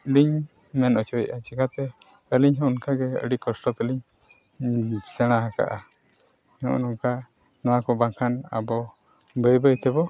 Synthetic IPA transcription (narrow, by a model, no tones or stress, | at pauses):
ɖiɲ | mɛnɔt͡ʃɔjʔat͡ʃikat̪ɛ | əliɲɦɔ̃unkaɡɛə̰ɖikɔsʈɔt̪əliɲ | sɛɽ̃aɦaka̰ʔa | nɔ̰ʔnuŋka | nɔwakɔbãkʰana̰bɔ | bəjbəjt̪ɛbɔ